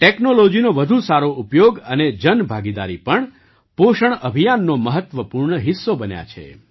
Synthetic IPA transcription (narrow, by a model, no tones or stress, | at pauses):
ʈeknolod͡ʒinoʋəd̪ʱũsaɾoʔupjoɡəned͡ʒənbʱaɡid̪a̰ɾipəɳ | poʃəɳəbʱijanːoməɦət̪ʋəpuɾɳəɦɪsːobənja̰t͡ʃʰḛ